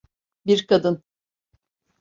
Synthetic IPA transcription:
biɾkʰad̪ɯn

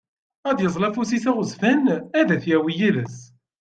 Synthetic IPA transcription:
æðjəzˤlæfusiθæʁəzfænæðæθjæwijæləs

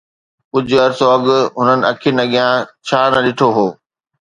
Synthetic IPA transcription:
ʊd͡ʑəɾsoɐɠʊɦʊnənɪ̆ɐkʰinɐɠijãt͡ɕʰaːnɐɗɪʈʰoɦoː

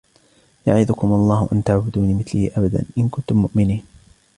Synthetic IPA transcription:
jaʕɪðʊkʊmɑlˤːɑːhʊʔant̪aʕbʊd̪uːnimɪθliːʔabad̪a̰nʔɪnkʊnt̪ʊmːʊʔmɪniːn

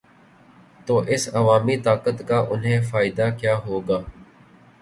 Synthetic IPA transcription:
t̪oːʔɪsɐʋaːmit̪aːkət̪kaːʔʊnɦẽːfaːɪd̪akjaːɦoːɡaː

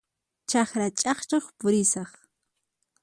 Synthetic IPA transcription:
t͡ʃɑχɾat͡ʃʼɑχt͡ʃoχpʊɾɪsɑχ

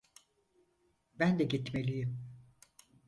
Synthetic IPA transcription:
bænd̪ɛɟit̪melʲijim

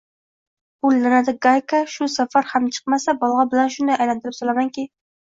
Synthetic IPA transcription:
bʊlːanad̪ɪɡajkaʃʊsafaɾhamt͡ʃʰɨ̥qmasabɒlˠʁɑbɪlanʃʊnd̪ajajlant̪ʰɪɾɪpsolamaŋkʲɪ

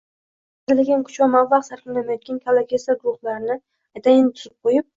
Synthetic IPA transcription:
zɪlaɡʲankʰʊ̥t͡ʃwamavːɑqsaɾqʰɪnanajɒt̪̚kʲankʲʰalˠakʰʲesaɡʊɾʊχlaɾɪnɪ | at̪ʰajɪnɪt̪ʰʊɾɪp̚qʰojɪp̚

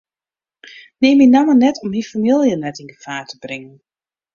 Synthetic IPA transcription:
neːmɪnamənɛtʰɔmifamilˠjənɛtinɡəfaːrtʰəbrɪŋən

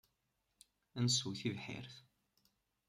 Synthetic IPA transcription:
ænsuwθivħɪ̰ɾθ

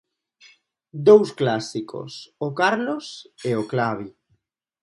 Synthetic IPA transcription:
d̪owsklasiko̰sokaɾloseoklaβ̞i

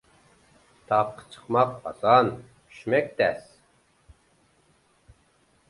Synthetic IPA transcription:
t̪ʰɑpʰːə̥t͡ʃʰə̥qmɑq̚ɑ̰zɑnʰ | y̥ʃmɛk̚ʲt̪ɛs

